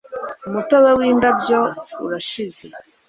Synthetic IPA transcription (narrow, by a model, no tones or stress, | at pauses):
umutowewiːndabjoṵɾaʃize